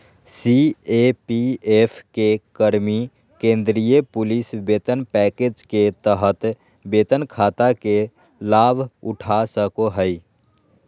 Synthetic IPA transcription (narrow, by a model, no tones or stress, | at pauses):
siepiepʰkekəɾmi | kẽnd̪ɾijepulisbet̪ənpɛked͡ʒket̪əɦət̪ | bet̪ənkʰat̪ake | labʱuʈʰasəkoɦəɪ